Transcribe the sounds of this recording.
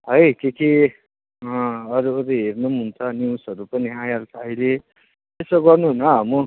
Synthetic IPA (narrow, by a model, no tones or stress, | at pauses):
ɦʌjkeki | ʌʌɾuːɾeɦernumɦunt͡sʰʌniwsʌɾupʌniajalt͡sʰʌʌjle | t̪esoɡʌrnuɦunʌɦʌmu